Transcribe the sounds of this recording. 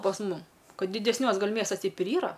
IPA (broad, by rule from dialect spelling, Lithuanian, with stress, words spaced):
pɐs ˈmʊm ˈkɐt dʲɪdʲɛsʲˈnʲuɔs ˈɡɐlʲ ˈmʲiɛstɐs ˈtʲɛɪp ɪr ˈiːrɐ